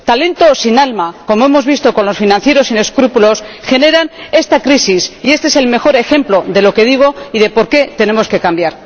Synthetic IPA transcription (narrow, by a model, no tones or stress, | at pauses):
t̪ale̞nt̪o̞sinalmako̞mo̞e̞mo̞zβist̪o̞ko̞nlo̞sfinãnθje̞ɾo̞sine̞skɾupulo̞sxe̞ne̞ɾane̞st̪akɾisisie̞st̪eese̞lme̞xo̞ɾe̞xe̞mplo̞ðe̞lo̞ke̞ð̞iɣ̞o̞iðe̞po̞ɾke̞t̪e̞ne̞mo̞ske̞kambjaɾ